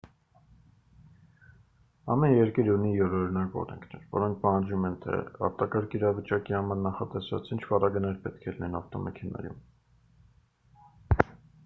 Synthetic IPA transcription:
ɑ̰mɛnjɛɾkiɾunijɔɾɔɾinɑkɔ̰ɾɛ̰ŋkʰnɛɾvɔ̰ɾɔŋk̚ʰpɑhɑnd͡ʒumɛnt̪ʰɛ̰ɑ̰ɾt̪ɑkɑɾkʰiɾɑvət͡ʃɑkihɑmɑɾnɑχɑt̪ɛsvɑ̰t͡sʰint͡ʃʰvɑɾɑɡənɛɾpɛt̪̚kʰɛlinɛnɔft̪ɔmɛ̰kʰɛnɑ̰jṵm

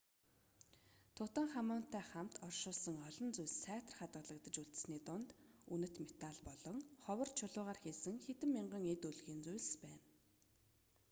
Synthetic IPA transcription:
t̪ʰʊt̪ə̆ŋχamʊːn̥t̪æːχam̥t̪ɔrʃʊːɮsə̆ŋɔɮɞ̆nt͡sʊjɮsæːt̪ə̆rχat̪ɢə̆ɮə̆kt̪ə̆t͡ɕuɮt̪ɘ̥̆sniːt̪ʊnt̪unɘ̆t̪met̪aɮpɔɮɞ̆ŋχɔwə̆rt͡ɕʰʊɮʊːʁaːrxeːsɘ̆ŋxet̪ɘ̆mːiɴɢə̆ŋet̪uɮɣiːnt͡sujɮspæːn

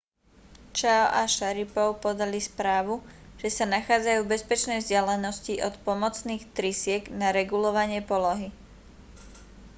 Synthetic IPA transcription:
t͡ʃaʔaʃaɾipɔʊpɔd̪alispɾaːʋuʒ̥ɛsanaxaːd͡zajuːbɛspɛt͡ʃnɛjvzɟalɛnɔsciʔɔt̪pɔmɔt͡sniːxt̪ɾisɪɛɡnaɾɛɡulɔʋaɲɪɛpɔlɔɦi

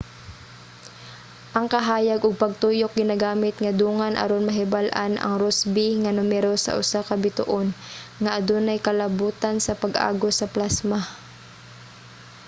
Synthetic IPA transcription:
ʔɐŋkɐɦaːjaɡʔʊɡ̚pɐɡ̚t̪uːjok̚ɡɪnaɡaːmɪt̪ŋɐd̪uːŋanʔɐ̰ɾonmɐɦɪbalʔa̰nʔɐ̰ŋɾosbɪŋɐnʊmɛɾosɐ̰ʔʊ̰sakɐbɪt̪ʊ̰ʔonŋaʔɐd̪onɐjkɐlɐbuːt̪ansɐpɐɡʔa̰ːɡosɐplasma

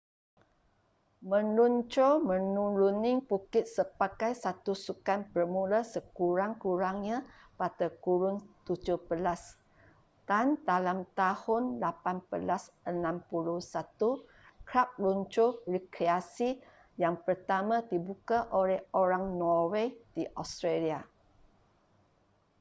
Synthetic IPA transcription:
mə̃nunt͡ʃomə̃nulunɪŋpukɪt̪̚səpakajsat̪usukanpərmulasəkuɾaŋkuɾaŋɲapadakuɾʊŋt̪ud͡ʒʊhbəlas | d̥and̪alamt̪ahʊnlapanbəlas | ənãmpuluhsat̪u | kɾap̚luɲt͡ʃorikɾeasi | jaŋpərt̪amãdibukaʔolɛhoɾaŋnɔwed̥iʔɔst̪ɾelia

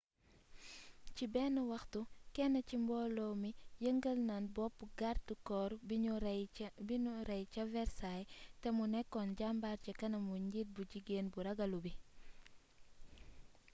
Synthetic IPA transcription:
cibɛːnuwɐxtukɛnːɐcimbɔːlɔwmijəŋɡəlnanbɔpːuɡaɾtukɔːɾ | biuɾɛjcɐvɛɾsajtɛmunɛkːɔnɟambaːɾcɛkɐnɐmuɲɟit̚buɟiɡeːnbuɾɐɡɐlubi

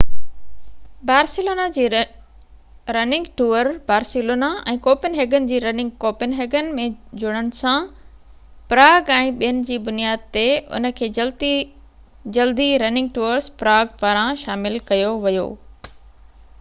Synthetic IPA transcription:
baːɾsɪloːnad͡ʑiː | ɾɐnɪ̃ŋɡʈuːəɾbaːɾsɪloːnaʔɛ̰̃ːkoːpɪnɦeːɡənɪ̆d͡ʑiːɾɐnɪ̃ŋɡ̚koːpɪnɦeːɡənɪ̆mẽd͡ʑʊɽ̃əɽ̃ɪ̆sã | pɾaːɡɛ̃ːɓijənɪ̆d͡ʑiːbʊnijaːd̪̚t̪eʊ̰nə̆kʰeː | d͡ʑɐld̪iɾɐnɪ̃ŋɡ̚ʈuːəɾspɾaːɡ̚paːɾãʃaːmɪlkɐjoʋɐjo̰ː

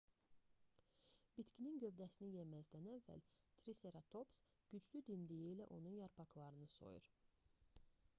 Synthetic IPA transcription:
b̥it̪cʰininɟø̞vd̪æsinijemæzd̪ænævːæ̰lt̪ʰɾise̞ɾɑt̪ʰo̞ps | ɟ̥yd͡ʒlyd̪imd̪ijiːlæʔo̞nunjɑɾpʰɑklˠɑɾɯnɯso̞̰jṵɾ

